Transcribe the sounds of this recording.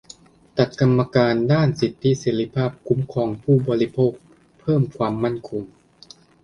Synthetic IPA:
t̪a˨˩t̪̚ka˧mːa˧kaː˧ndaː˥˩nsi˨˩t̪ʰːi˦˥seː˩˦ɾi˦˥pʰaː˥˩p̚kʰu˨˦˥mkʰɔː˩˦ŋpʰuː˥˩bɔː˧li˦˥pʰoː˥˩k̚ | pʰɤː˥˩mkʰwaː˧mːa˥˩nkʰo˧ŋ

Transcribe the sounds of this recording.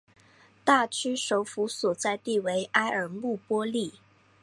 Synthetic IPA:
t̪a˥˩t͡ɕʰy˥ʂo˧˥ʊfu˧˥swɔ˨˩t͡sa˥˧ɪt̪i˥˩we˧˥ɪʔa˥ɪʔə˞˨˩mu˥˩pwɔ˥li˥˩

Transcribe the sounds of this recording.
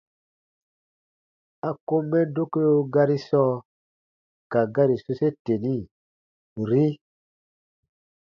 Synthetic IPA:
a˨ko˦mːɛ˦do˦ko˦jo˦ɡa˦ɾi˦sɔ˦ | ka˨ɡa˦ɾi˨so˦se˦te˨ni˦ | ɾi˦

